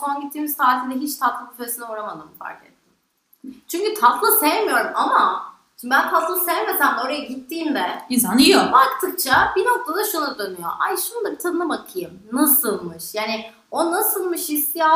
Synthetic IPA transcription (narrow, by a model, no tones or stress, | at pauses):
onɟit̪ʰːiːmiz̥t̪aːt̪ʰind̪ɛɦit͡ʃt̪ʰat̪lˠamføsinɛuɾamad̪ɯmfa̰ɾcʰet̪ʰːiɪm | t͡ʃʰyɲcyt̪ʰat̪lˠɯse̞jemijo̞ɾumama | ʃimbibænt̪ʰat̪lˠselʲeme̞sænd̪o̞ɾajaɟit̪ʰːiːmd̪ɛanjobakt̪ʰɯk̚t͡ʃʰabino̞k̚t̪ʰad̪aʃunad̪ø̞nyjo̰ʔa̰jʃunund̪abit̪ʰanɯnabakʰɯjɯmnasɯlˠmɯʃjaːnɪ | o̞nasɯlˠmɯʃhist̪ʰija